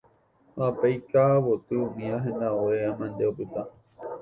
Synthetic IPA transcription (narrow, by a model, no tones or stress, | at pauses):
hapejkaːwot̪ɨũmĩãɦẽnd̪aoeamãnd̪eopɨt̪a